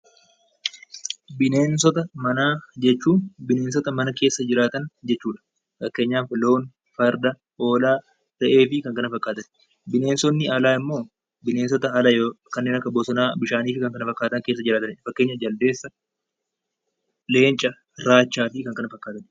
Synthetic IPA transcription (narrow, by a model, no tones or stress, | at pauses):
bɪneːnsɔt̪ɐmɐnaːd͡ʒɛt͡ʃːuːnbɪne̞ːns̬ɔt̪ɐmɐnɐke̞ːsːɐd͡ʒɪɾaːt̪ɐnd͡ʒɛt͡ʃːuːᶑɐ̥ | fɐkːeːɲːaːnfɪlo̞ːn | fɐɾd̪ɐ | o̞ːlaː | t̪ɐʔe̞ːfɪkɐŋkɐnɐfɐkʼːaːt̪ɐn | bɪne̞ːnsɔnːɪɐlaːɪmːo̞ː | bɪne̞ːnsɔt̪ɐɦɐlɐjoːkɐnːeːnɐkːɐboːsɐnaːbɪʃaːniːfɪkɐŋkɐnɐfɐkʼːaːt̪ɐŋke̞ːs̬ːɐd͡ʒɪɾaːt̪ɐnfɐkːe̞ːɲːɐd͡ʒɐld̪e̞ːsːɐ | le̞ːnt͡ʃʼːɐ | ɾaːt͡ʃːaːfɪkɐŋkɐnɐfɐkʼːaːt̪ɐn